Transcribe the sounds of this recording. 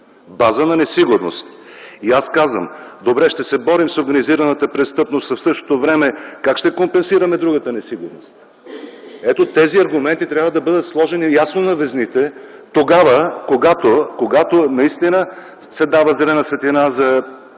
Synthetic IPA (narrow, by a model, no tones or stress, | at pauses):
bazənɐnɛsiɡʊɾno̰st̪ | iaskazvə̰md̪obɾɛʃt̪ɛsɛbɔɾimsoɾɡɐniziɾɐnət̪əpɾɛst̪ɤpnost̪ɐfsɤʃt̪o̥t̪ovɾɛmɛkakʃt̪ɛkompɛnsiɾɐmɛd̪ɾuɡət̪ənɛsiɡʊɾno̰st̪ | ɛt̪ot̪ɛziɐɾɡʊmɛnt̪it̪ɾʲjabvəd̪ɐbɤd̪ət̪slˠɔʒɛnijasnonɐvɛznit̪ɛt̪oɡavəkoɡat̪okoɡat̪onɐist̪inə | sɛd̪avəzɛlɛnəsvɛt̪inazɐ